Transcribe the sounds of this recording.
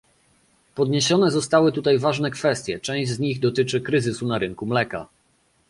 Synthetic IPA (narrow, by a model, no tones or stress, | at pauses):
pɔd̪ɲeɕɔnɛzɔst̪awɘt̪ut̪ajvaʐnɛkfɛst̪ʲjɛt͡ʂɛ̃w̃ʑd͡ʑzɲiɣd̪ɔt̪ɘt͡ʂɘkɾɘzɘsunaɾɘŋkumlɛka̰